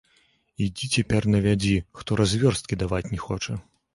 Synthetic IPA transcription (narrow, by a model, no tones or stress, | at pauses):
id͡zʲit͡sʲapʲɛrnɐvʲad͡zʲixt̪ɔɾazʲvʲɔrst̪̚kʲid̪avat͡sʲnʲɛxɔt͡ʂɐ